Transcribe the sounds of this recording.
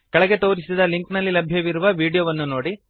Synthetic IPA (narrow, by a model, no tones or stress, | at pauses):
kɐɭɐɡe̞t̪o̞ːɾisid̪ɐliŋknɐlːilɐbʱjɐʋiɾuʋɐʋiːɽijoʋɐnːuno̞ːɽi